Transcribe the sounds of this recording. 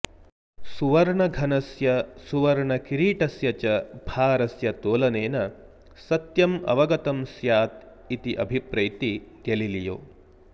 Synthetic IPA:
suʋɐɾɳɐɡʱɐnɐsjɐsuʋɐɾɳɐkiɾiːʈɐsjɐt͡ʃɐbʱaːɾɐsjɐt̪oːlɐneːnɐ | sɐt̪jɐmɐ̰ʋɐɡɐt̪ɐmsjaːt̪ | it̪iʔɐ̰bʱipɾɐjt̪iɡ̥elilijo̰ː

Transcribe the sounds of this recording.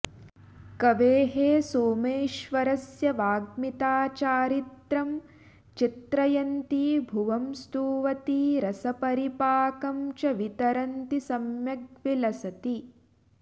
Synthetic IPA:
kɐʋeːɦeːsoːmeːʃʋɐɾɐsjɐʋaːɡmit̪aːt͡ʃaːɾit̪ɾɐm | t͡ʃit̪ɾɐjɐnt̪iːbʱuʋɐmst̪uːʋɐt̪iːɾɐsɐpɐɾipaːkɐmt͡ʃɐʋit̪ɐɾɐnt̪isɐmjɐɡʋilɐsɐt̪i

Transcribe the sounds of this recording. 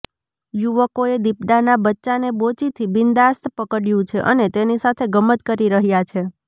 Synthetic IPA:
juʋəkoed̪ipɖanabətːʃanebot͡ʃit̪ʰibɪnd̪ast̪pəkəɽjũt͡ʃʰeʔə̰net̪enisat̪ʰeɡəmət̪kəɾiɾəɦjat͡ʃʰe

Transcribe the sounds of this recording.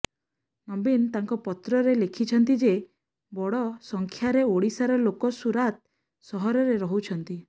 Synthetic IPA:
nɔbint̪aŋkɔpɔt̪ɾɔɾelekʰit͡ʃʰɔnt̪id͡ʒe | bɔɽɔsɔŋkʰjaɾeoɽisaɾɔlokɔsuɾat̪̚ | sɔɦɔɾɔɾeɾɔɦut͡ʃʰɔnt̪i

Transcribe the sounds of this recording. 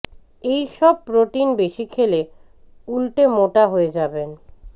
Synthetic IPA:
ejʃɔb̚pɾoʈinbeʃikʰele | ulʈemoʈaɦoed͡ʑaben

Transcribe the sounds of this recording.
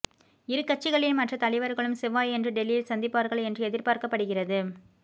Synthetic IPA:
ɪɾɯkːɐt͡ʃːɪɣɐɭɪlmɐʈrɐt̪ɐlɪʋɐɾɣɐɭɯmsɛʋaːjɛndrɯɖɛlːɪjɪlsɐnd̪ɪpːaːɾɣɐɭɛndrɯɛðɪɾpaːɾkɐpːɐɽɯɣɪrɐðɯ

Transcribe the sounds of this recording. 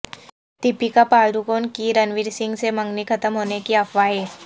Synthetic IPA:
t̪ipikapaːld̪ukoːnkiɾənʋiɾsɪ̃ŋɡsemə̃ŋɡnikʰət̪əmɦoːnekiəfʋaɦɛː

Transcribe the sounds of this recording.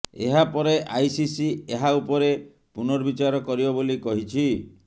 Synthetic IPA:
ḛɦapɔɾeʔajsisieɦaupɔɾe | punɔɾbit͡ʃaɾɔkɔɾibɔbolikɔɦit͡ʃʰi

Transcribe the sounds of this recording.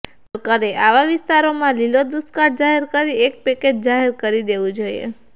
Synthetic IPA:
pɾəkaɾeʔaʋaʋɪst̪aɾomãlilod̪uskaɾd͡ʒaɦeɾkəɾiek̚peked͡ʒd͡ʒaɦeɾkəɾid̪eʋũd͡ʒoiḛ

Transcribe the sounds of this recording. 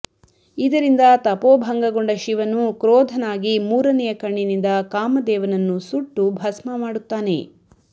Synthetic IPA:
id̪ɐɾind̪ɐt̪ɐpoːbʱɐŋɡɐɡoɳɖɐʃiʋɐnukɾɔːd̪ʱɐnaːɡimuːɾɐnɛjɐkɐɳːinind̪ɐkaːmɐd̪ɛːʋɐnɐnːusuʈːubʱɐsmɐmaːɽut̪ːaːne̞̰

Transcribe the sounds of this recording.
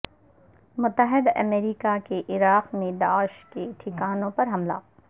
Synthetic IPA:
mʊt̪ːəɦɪd̪ɐ̰meːɾiːkakeʔɪɾaːqmẽɖ̪aːʃkeʈʰɪkaːnõpɐɾɦɐmla̰ː

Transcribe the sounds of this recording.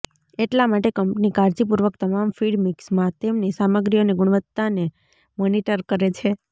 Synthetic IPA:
eʈlamaʈekəmpnikaɾd͡ʒip̬uɾʋək̚t̪əmamfiɖmiksmãt̪emnisaməɡɾijoneɡʊɽ̃ʋət̪ːane | moniʈəɾkəɾet͡ʃʰe

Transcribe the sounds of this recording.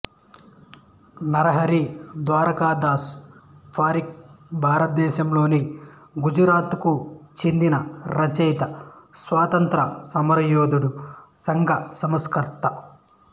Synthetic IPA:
nɐɾɐɦɐɾid̪ʋaːɾɐkaːd̪aːspʰaːɾik̚bʱaːɾɐt̪̚d̪ɛːʃɐmlo̞ːni | ɡud͡ʒɐɾaːt̪kut͡ʃend̪inɐɾɐt͡ʃɛjt̪ɐsʋaːt̪ɐnt̪ɾɐsɐmɐɾɐjoːd̪uɽusɐŋɡɐsɐmɐskɐɾt̪ɐ

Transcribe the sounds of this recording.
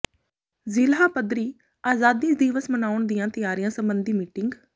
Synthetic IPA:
zɪlɦaːpəd̪ɾiː | aːzaːd̪ĩːd̪iːʋəsmənaːʊɳd̪ɪjãːt̪ɪjaːɾijãːsəmbənd̪iːmiːʈɪŋɡ

